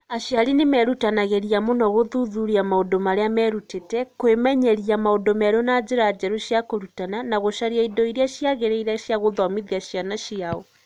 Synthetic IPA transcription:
aʃjaɾinemɛɾutanaɣeɾiamonɔɣoðuðuɾiamaodomaɾeamɛɾutetɛkwemɛɲɛɾiamaodomɛɾonad͡ʑeɾad͡ʒɛɾoʃjakoɾutananaɣoʃaɾiaidɔiɾeaɕjaɣeɾeiɾaʃjaɣoðɔmiðiaɕjanaʃiaɔ

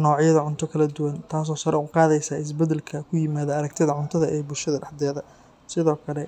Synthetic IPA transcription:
nɔːʕɪjɐðɐʕʊnt̪ʰɔkʰɐlɐd̪ʊwɐnt̪ʰaːs̬ɔːsɐɾɛʊqɑːðɛjsaːɪs̬bɛd̪ɛlkʰɐkʰʊjɪmaːðɐɐɾɛɡt̪ʰɪðɐʕʊnt̪ʰɐðɐʔɛːbʊlʃɐðɐɖɑħd̪ɛːðɐ | sɪðɔːkʰɐlɛ

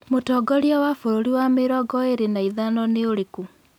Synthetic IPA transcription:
motɔːɡɔɾjɔwafoɾoɾiwameɾɔɡɔeɾenaiðanɔneoɾeku

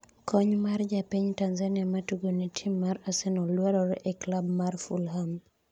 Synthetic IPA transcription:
kɔɲmard͡ʒapiɲtanzaniamatuɡonitʰimːaɾasɛnɔlwaɾɔɾʔeklab̚marfulɦam

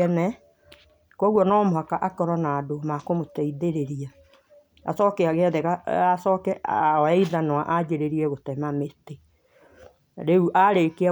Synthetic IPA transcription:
ɛnɛ | kwɔɣwɔnɔmoɦakaʔakɔɾɔnaːdomakomotɛiðeɾeɾia | a̰sɔkeaɣeaðɛɣaasɔkɛɔɛiðanwaʔad͡ʑeɾeɾiɛɣotɛmamete | ɾeuʔaɾekea

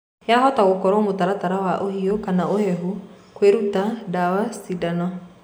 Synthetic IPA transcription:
jaɦɔtaɣokɔɾɔmotaɾataɾawaʔohiokanaohɛɦu | kweɾutadawassidanɔ

